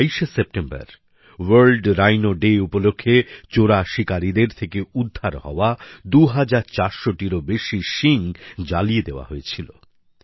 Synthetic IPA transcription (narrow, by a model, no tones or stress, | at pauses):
ijʃesep̚ʈemba̰ɾ | wəɾlɖɾajnoɖeupolokʰːet͡ɕoɾaʃikaɾid̪eɾt̪ʰekeud̪ʱːaɾɦɔ̰oad̪uɦad͡ʑaɾt͡ɕaɾʃoʈiɾobeʃiʃiŋd͡ʑalied̪eoa̰ɦojet͡ɕʰilo̰